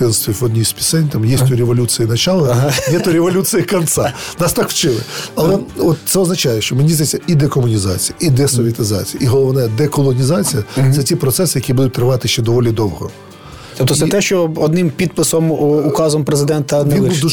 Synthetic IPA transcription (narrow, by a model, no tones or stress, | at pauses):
ɪnst̪ʋɔʋɔd̪ʲnʲijsʲpʲi̥sɛnʲt̪amjisʲt̪ʲuɾʲeʋɔlʲut͡sʲijinɐt͡ʃɑlˠɔnɛt̪ɔɾʲeʋɔlʲut͡s̪ʲɨjɐkɐnt̪sɑnɑst̪ɑkʋt͡ʃɪmɪ̰ɐlˠɛɔt̪t̪sɛɔznɐt͡ʃajɛʃt͡ʃɔmenʲizd̪ɛsʲɐid̪ɛkɔmʊnʲizɑ̰t͡sʲijɐʔid̪ɛsɔʋʲiɐt̪ɪzɑ̰t͡sʲijɐiɦɔlˠɔʋnɛd̪ɛkɔlˠɔnʲizɑt͡sʲijɐsɛtʲipɾɔt̪sɛsɪjɐkʲibud̪ʊt̚ʲt̪ɾɪʋɑt̪ɪʃt͡ʃɛd̪ɔʋɔlʲid̪ɔwɦɔ̰ | t̪ɔpt̪ɔt̪sɛt̪ɛʃt͡ʃɔɔd̪nɪmpʲid̪̚pɪsɔmukɑzɔmpɾezɪd̪ɛnt̪ɐnʋɛinbuu